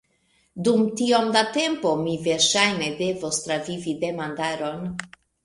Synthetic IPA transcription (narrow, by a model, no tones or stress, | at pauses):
dumtiomdate̞mpo̞mive̞ɾʃajne̞de̞vost̪ɾavivide̞mandaɾo̞n